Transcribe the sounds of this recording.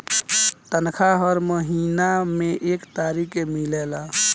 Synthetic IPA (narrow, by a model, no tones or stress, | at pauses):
t̪ənkʰaɦɔɾməɦiːnamẽʔeːkt̪aːɾikemilela